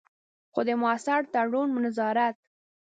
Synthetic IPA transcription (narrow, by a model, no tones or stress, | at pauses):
xod̪əmːsaɽt̪aɽunmʊnazɑɾat̪̚